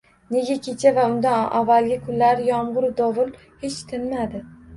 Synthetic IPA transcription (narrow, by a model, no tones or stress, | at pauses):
ne̞ɡʲakʲʰe̞t͡ʃʰavaʊnd̪anʔavːalɡʲɪkʰʊnlaɾɪjɒmʁʊɾd̪ɒvʊl | he̞t͡ʃt̪ʰɪnmad̪ɪ